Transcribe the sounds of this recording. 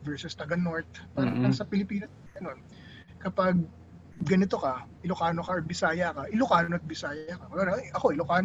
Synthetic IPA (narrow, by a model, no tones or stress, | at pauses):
vɛɹsʊst̪ɐɡɐnoɹt̪̚paːɾɐnɐŋsɐpɪlɪpiːnɐ | ɡɐno̞n | kɐpɐɡ̚ | ɡɐnɪt̪o̞kɐʔɪlʊkaːnokɐɐt̪̚bɪsaːjɐkɐʔɪlʊkaːnoɐt̪̚bɪsaːjɐkɐkolaːlɐʔɐko̞ʔɪlʊkaːn